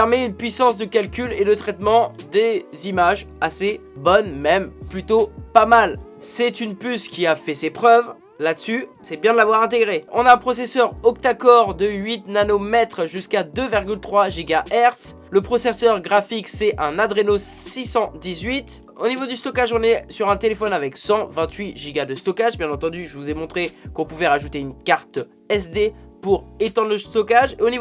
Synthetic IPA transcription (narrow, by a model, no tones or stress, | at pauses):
ɛʁmɛynpɥisɑ̃sd̪əkalkʲylelət̪χɛt̪mɑ̃d̪ezimaʒ | asebɔnmɛmplyt̪opamal | sɛt̪ynpyskʲiafɛsepχœv | lad̪əsysɛbjɛ̃d̪əlavwaʁɛ̃t̪̬eɡʁeɔ̃naɛ̃pχɔsesœʁɔkt̪akɔʁd̪əɥit̪nanomɛt̪χʒyskad̪øviʁɡʲylt̪χwaʒiɡaʔɛʁt̪s | ləpχɔsesœʁɡʁafiksɛɛ̃nad̪ʁenosisɑ̃d̪izɥit̪ | onivod̪yst̪ɔkaʒɔ̃nɛsyʁɛ̃t̪elefɔnavɛksɑ̃vɛ̃t̪ɥiʒiɡad̪əst̪ɔkaʒbjɛ̃nɑ̃t̪ɑ̃d̪yʒəvuzɛmɔ̃t̪χekɔ̃puvɛʁaʒut̪eynkaʁt̪ | ɛs̬d̪e | puʁet̪ɑ̃d̪ʁləst̪ɔkaʒeoniv